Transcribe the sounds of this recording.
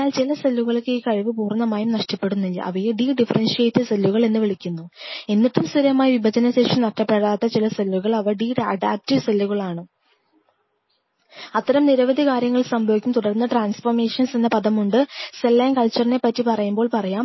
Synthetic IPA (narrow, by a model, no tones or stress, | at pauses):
aːlt͡ɕilɐselːuɣɐɭkʲːɨiːkɐɻiʋɨpuːrnːɐmaːjumnɐʂʈɐpːe̞ɽunːilːɐ̰ʔɐ̰ʋɐjeɖiːɖifɐrɐnsjeːjt̪ːɐselːuɣɐɭe̞nːɨʋiɭikʲːunːue̞nːitːumsiɾɐmaːjiʋibʱɐd͡ʑɐnɐɕeːʂinɐʈːɐpːeɽaːt̪ːɐt͡ɕilɐselːuɣɐɭɐʋɐɖiːɖɐ̰ɖaːp̚tiʋselːuɣɐɭaːɳɨ | ɐt̪ːɐɾɐmniɾɐʋɐd̪ʱikaːɾjɐŋːɐɭsɐmbʱɐʋikʲːumt̪uɽɐrnːɐʈraːnsfɐrme̞ːʂɐnsenːɐpɐðɐmuɳɖɨselːeːŋkɐlt͡ɕːɐrine̞pːɐtːipɐrɐjumbo̞ːɭpɐrɐjaːm